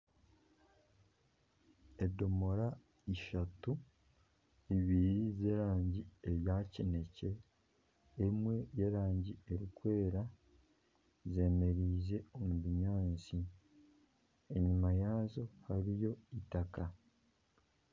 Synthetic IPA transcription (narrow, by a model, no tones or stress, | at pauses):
e̞do̞moɾa | iʃatu | iβiɾize̞ɾaːɲɟie̞βjaːcine̞ce̞ː | mwe̞je̞ɾaːɲɟie̞ɾikwe̞ːɾa | ze̞ːme̞ɾiːze̞o̞muβiɲaːnt͡si | e̞ɲimajaːzo̞haɾijo̞itaka